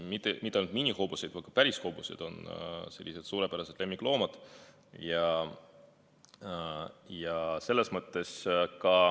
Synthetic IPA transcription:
mit̪ːˑemit̪ːˑɑɑlnud̪minʲiho̞ːb̥use̞jd̪̥vɤjkɑpæɾishobusḛd̪̥o̞̰nse̞̰lːise̞d̪̥suːɾe̞pæɾɑse̞d̪̥le̞mːiklo̞ːmɑd̪̥ | jɑ | jɑse̞lːe̞smɤt̪ːˑe̞skɑ

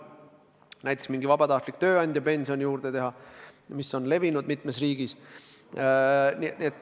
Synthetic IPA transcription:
næjt̪ːˑeksmiŋɡ̥ivɑbɑt̪ɑht̪likt̪ø̞ːɑnʲd̪̥ʲjɑpe̞nʲsio̞nʲijuːɾd̪̥e̞t̪e̞ɦɑmisːo̞nle̞vinud̪̥mit̪ːˑme̞sriːɡ̥is | niniet̪ːˑ

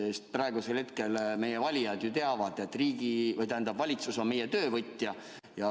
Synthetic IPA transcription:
est̪̚prɑe̞ɡ̥use̞lhet̪ke̞lme̞jevɑlʲijɑd̪jut̪e̞ɑvɑd̪̥e̞t̪ːˑriːɡ̥ivɤjt̪æhænd̪ɑbvɑlʲit̪suso̞mme̞jet̪ø̞ːvɤt̪ʲːˑjɑ | jɑ

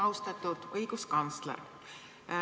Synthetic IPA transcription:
ɑwst̪ɑt̪ːˑud̪̥ɤjɡuskɑnt̪slḛr

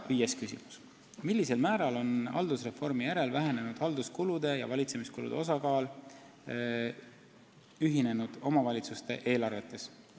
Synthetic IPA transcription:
viːjeskysḭmu̥s | milʲːise̞lmæːɾɑlo̞nɑ̰ld̪usre̞fo̞rmijæɾe̞lvæɦe̞ne̞nud̪̥ɑld̪̥uskulud̪e̞jɑ̰vɑlʲit̪se̞miskulṵd̪̥eo̞sɑkɑːl | yɦine̞nud̪̥o̞mɑvɑlʲit̪sust̪e̞ʔe̞ːlɑrve̞t̪ːˑe̞s

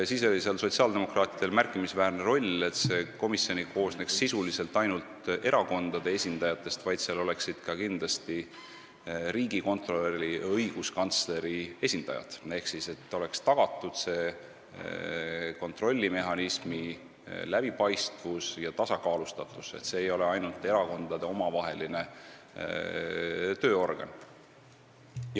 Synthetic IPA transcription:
siːso̞liseɑlso̞t̪siɑld̪̥e̞mo̞krɑːt̪ˑid̪̥e̞lmærkːˑimisvæːrneɾo̞lʲe̞t̪se̞ko̞misjo̞nikʰo̞ːsne̞ksːisulise̞lt̪ːˑɑjnult̪e̞ɾɑko̞nd̪̥ɑd̪̥e̞e̞sʲind̪̥ɑjɑt̪ːˑe̞st̪vɑjd̪̥seɑlo̞le̞ksid̪̥kɑkind̪lɑst̪i | ɾiːɡiko̞nt̪ro̞leriɤjɡ̥uskɑnt̪sle̞ɾie̞sʲind̪̥ɑ̰jɑ̰d̪̥e̞hksise̞t̪ːˑo̞le̞kst̪ɑɡ̥ɑt̪ːˑud̪̥se̞ː | ko̞nt̪ro̞lʲːime̞ɦɑnismi | læb̥ipɑjst̪vusjɑt̪ɑsɑkɑːlust̪ɑt̪ːˑuse̞̰t̪se̞ːjo̞le̞ɑjnult̪ːe̞ɾɑko̞nd̪̥ɑd̪eo̞mɑvɑɦe̞line | t̪ø̞ːo̞rɡ̥ɑ̰n

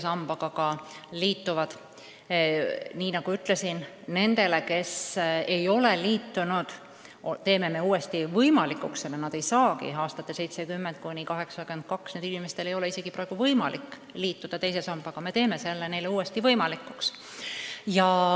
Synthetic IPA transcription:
sɑmb̥ɑɡ̥ɑɡɑliːt̪ːuvɑd̪̥ | niːnɑɡ̥uyt̪ˑle̞sin | ne̞nd̪̥e̞le̞ke̞se̞jo̞le̞liːt̪ːunud̪̥ | ot̪e̞ːme̞me̞uːe̞st̪ivɤjmɑlikːˑuksenenɑd̪̥e̞jsɑːkḭɑːst̪ɑt̪ːˑese̞jt̪se̞kymːent̪̚kunʲikɑɦe̞ksɑkyend̪̚kɑksned̪inime̞st̪elejo̞le̞ise̞ɡ̥ipɾɑeɡ̥uvɤjmɑlʔikː | liːt̪ːud̪̥ɑt̪e̞jse̞sɑmb̥ɑɡ̥ɑme̞t̪e̞ːmese̞lːene̞jle̞uːe̞st̪ivɤjmɑlikːˑuks | jɑ

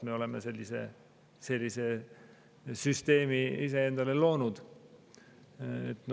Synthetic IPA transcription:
me̞o̞leme̞̰se̞lʲːise̞̰ | se̞lʲːise̞ | syst̪e̞ːmiise̞end̪̥ɑle̞lo̞ːnud̪̥ | ḛt̪ːˑn

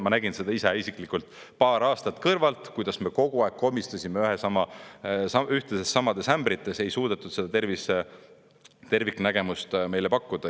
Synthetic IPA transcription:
mɑnæɡ̥inse̞d̪ɑiseisikˑlikult̪ˑ | pɑːɾɑːst̪ɑt̪kɤrvɑlt̪kujd̪̥ɑsme̞ko̞ɡ̥uɑekːo̞mːist̪usʲimeyɦesɑmɑsɑyht̪esesːɑmɑd̪̥e̞sæmbɾit̪ːˑe̞se̞jsuːd̪̥e̞t̪ːˑud̪̥se̞d̪ɑt̪e̞rvise | t̪e̞rvikːnæɡ̥e̞must̪me̞jlepɑkːud̪̥ɑ

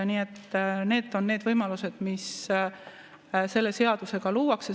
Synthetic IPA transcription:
niːet̪ːne̞ːd̪ˑo̞nːe̞ːd̪vɤjmɑluse̞d̪̥mis | se̞lːe̞se̞ɑd̪̥use̞ɡ̥ɑluːwɑkse

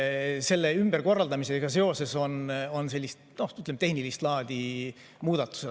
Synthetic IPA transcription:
se̞lːeymb̥eɾko̞rːɑld̪ɑmiseɡ̥ɑse̞o̞se̞so̞no̞nse̞lːist̪no̞yt̪lemt̪e̞hnilist̪lɑːd̪̥ʲi | muːd̪̥ɑt̪ːˑu̥se

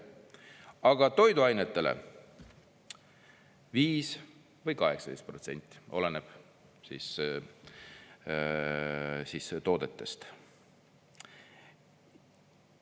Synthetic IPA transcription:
ɑɡ̥ɑt̪o̞jd̪uɑjnet̪ːe̞lḛ | viːs | vɤjkɑɦe̞ksɑd̥̪ejst̪̚pro̞t̪se̞̰nʲt̪ʲːˑi̥o̞leneb̥ | sis | siːst̪o̞ːd̪̥e̞t̪ːe̞st̪

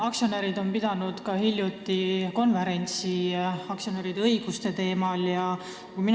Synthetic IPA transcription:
ɑksio̞neɾid̪o̞mpid̪̥ɑnud̪̥kɑɦilʲjut̪ːˑiko̞nve̞ɾe̞nʲt̪siɑksio̞neɾid̪ɤjɡ̥ust̪e̞t̪e̞ːmɑljɑ | kumi

